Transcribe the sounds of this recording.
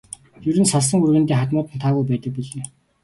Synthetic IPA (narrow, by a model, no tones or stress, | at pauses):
jɵɾɘ̆nsaɮsə̆ŋurɣɘ̆nt̪eːχat̪mʊːt̪ɘnt̪ʰaːɣujpæːt̪ə̆k̚piɮɘ̆n